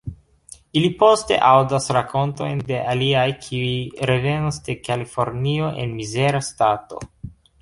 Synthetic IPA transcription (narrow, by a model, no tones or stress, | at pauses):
ilipo̞ste̞̰ʔawdasɾakʰo̞nto̞̰jnde̞ʔaliajkʰiujɾe̞ve̞nasde̞kalifo̞ɾnio̞ʔe̞̰nmize̞ɾastato̞̰